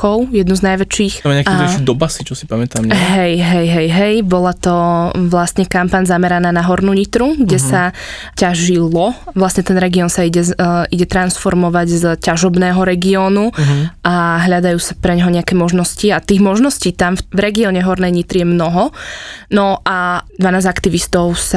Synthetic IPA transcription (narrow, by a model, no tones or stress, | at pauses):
ɔʊjɛd̪nuznajʋɛt͡ʃiːxmɲɛakʃid̪ɔbasit͡ʃɔsipamɛt̪amɦɛjɦɛjɦɛjɦɛjbɔlat̪ɔʋlasɲɛkampaɲzamɛɾanaːnaɦɔɾnuːɲit̪ɾuɡɟɛsa | caʒilˠɔʋlasɲɛt̪ɛnɾɛɡiɔːnsaiɟɛiɟɛt̪ɾansfɔɾmɔʋaɟzcaʒɔbnɛːɦɔɾɛɡiɔːnuʔaɦʎad̪ajuːsapɾɛɲɦɔɲɛakɛːmɔʒnɔsciat̪iːɣmɔʒnɔsciːt̪amfvɾɛɡiɔɲɛɦɔɾnɛjɲit̪ɾijɛmnɔɦɔnɔʔad̪ʋanaːzakt̪iʋist̪ɔʊsa